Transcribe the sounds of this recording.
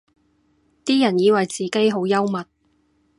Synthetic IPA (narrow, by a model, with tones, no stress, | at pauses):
t̪iː˥jɐ˨˩njiː˨˧wɐ˨jt͡siː˨ke˥jɦo˨˧˥wjɐ˥wmɐ˨t̚